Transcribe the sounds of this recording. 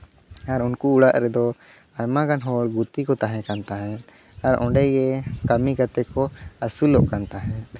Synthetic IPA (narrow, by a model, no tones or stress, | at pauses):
aɾunkuːɽaʔɾɛd̪ɔ | ajmakanɦɔɭɡut̪ikɔt̪aɦɛ̃kant̪aɦɛ̃n | aɾɔ̰̃ɖɛjɛkamikat̪ɛkɔasulɔʔkant̪aɦɛ̃t̪